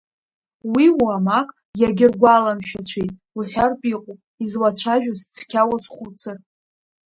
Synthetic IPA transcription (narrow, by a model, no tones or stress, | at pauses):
wiwamakʼ | jaɡʲɪrɡʷalamʃᶣat͡ɕʷʰejtʼ | uħʷᶣarpʼiqʷʼu | izlat͡ʃʷʰaʒᶣast͡sʰkʲʰawasχut͡sʰɨr